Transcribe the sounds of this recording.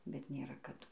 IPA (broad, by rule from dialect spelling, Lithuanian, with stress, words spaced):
bʲɛt nʲeːˈrɐ kɐˈdʊ